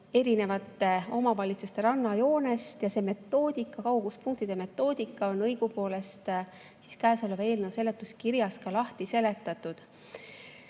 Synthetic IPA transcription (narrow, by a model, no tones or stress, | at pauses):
e̞ɾine̞vɑt̪ːˑeo̞mɑvɑlʲit̪sust̪e̞ɾɑnːɑjo̞ːne̞st̪jɑse̞ːme̞t̪ːo̞ːd̪̥ikːˑɑkɑwɡuspunŋkt̪id̪̥e̞me̞t̪ːˑo̞ːd̪̥ikːˑɑo̞nːɤjɡ̥upo̞ːle̞st̪ | si̥skæːso̞leve̞ːlnewselːe̞t̪ːˑuskiɾjɑskɑlɑht̪ise̞le̞t̪ːˑɑt̪ˑːud̪̥